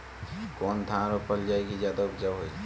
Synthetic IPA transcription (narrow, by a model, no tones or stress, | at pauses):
koːnt̪ʰãɾopəld͡ʒaːikizjaːd̪aʊpd͡ʒaɦoi